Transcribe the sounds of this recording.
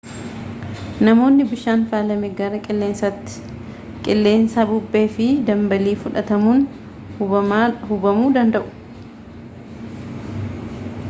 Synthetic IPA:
nɐmo̞ːnːɪbɪʃaːnfaːlɐmɪɡɐɾɐkʼɪlːeːnsɐt̪ | kʼɪlːeːnsabʊbːe̞ːfɪd̪ɐmbɐliːfʊᶑɐt̪ɐmuːn | hʊbɐmuːd̪ɐnd̪ɐʔʊ̥

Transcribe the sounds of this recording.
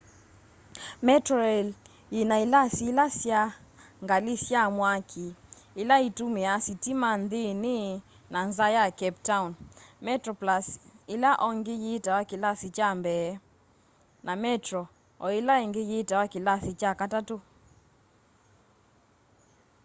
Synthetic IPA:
mɛtɾɔɛl | inailasiilasjaŋɡalisjamwakʰiː | laitumeasitimandenɪ | nanzajakɛptaunmɛtɾɔplasilaʔɔŋɡejetawakilasit͡ʃambɛ | namɛtɾɔ | ɔelaeŋɡejetawakilasit͡ʃakatato

